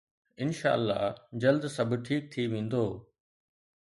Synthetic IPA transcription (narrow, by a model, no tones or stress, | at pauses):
ɪnʃa̰ːəlːa̰ːd͡ʑɐld̪sɐb̆ʈʰiːk̚t̪ʰiʋẽːn̆d̪oː